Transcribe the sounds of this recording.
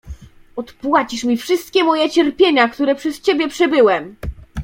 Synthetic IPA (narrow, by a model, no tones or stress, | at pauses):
ɔt̪pwat͡ɕiʂmʲifʂɘst̪̚kʲɛmɔjɛt͡ɕɛɾpʲjeɲakt̪uɾɛpʂɛst͡ɕebʲjɛpʂɛbɘwɛm